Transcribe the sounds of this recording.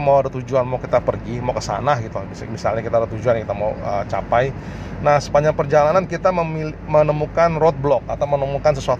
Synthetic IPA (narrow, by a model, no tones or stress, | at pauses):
mawadat̪ud͡ʒuanmawkit̪apərɡimawkəsa̰nahɡit̪uimisa̰lɲakit̪adat̪ud͡ʒuankit̪amawət͡ʃa̰paj | nahsəbaɲd͡ʒaŋpərd͡ʒalanankit̪aməmilmənəmukanrot̪̚blɔk̚at̪awmənəmukansəsuat̪